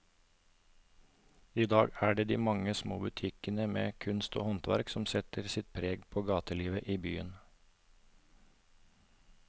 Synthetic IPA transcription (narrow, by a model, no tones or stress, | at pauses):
iːd̪ɑːɡæːɖeːd̪iːmɑŋəsmoːbʉt̪ʰɪkənəmḛːkʰʉnst̪o̰ːhɔnt̪ʋæ̰ɾksɔmsɛt̪əɾsɪt̪̚pʰɾeːɡpʰoːɡɑːt̪əliːʋəʔiːbyːən